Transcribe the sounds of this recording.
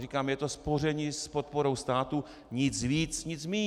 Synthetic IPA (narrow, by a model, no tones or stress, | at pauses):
riːkaːmjɛt̪o̞spo̞rɛɲispot̪̚po̞ɾo̞wst̪aːt̪u | ɲɪt͡sviːt͡sɲɪt͡smiː